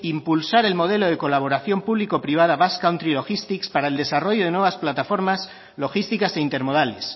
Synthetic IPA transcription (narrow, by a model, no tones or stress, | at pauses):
impulsaɾe̞lmo̞ð̞e̞lo̞ð̞eko̞laβ̞o̞ɾaθjo̞mpuβliko̞pɾiβ̞að̞aβaskawnt̪ɾilo̞xist̪ikspaɾaeld̪e̞saro̞ʝoðe̞nwe̞βasplat̪afo̞ɾmas | lo̞xist̪ikase̞int̪e̞ɾmo̞ðales